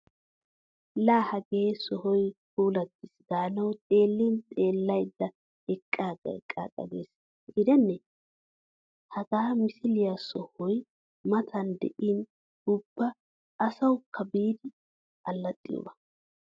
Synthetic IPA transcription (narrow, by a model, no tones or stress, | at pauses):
laːhɐɡeːsɔhɔjhuːlɐt̪ːɪsd̪aːnɐwt̪ʼe̞ːlːint̪ʼe̞ːlːɐjd̪ːɐ | ɛkʼːaːɡɛ̰kʼːa̰ːkʼɐ̰ɡḛːs | ɡɡɪd̪ɛnːɛ | hɐɡaːmɪsɪlɪjasɔhɔj | mɐt̪ʰɐnd̪ɛ̰ʔɪn | ʊbːɐ | ɐsɐwkːɐbiːd̪ɪ | ʔɐlːɐt̪ʼːɪ̰jo̰ːbɐ̥